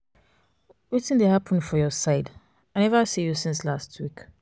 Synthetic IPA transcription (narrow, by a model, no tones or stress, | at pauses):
witɪ̃ndehapʰə̃nfɔjɔsaɪd | ãɪnɛvasijusĩnslastʰwik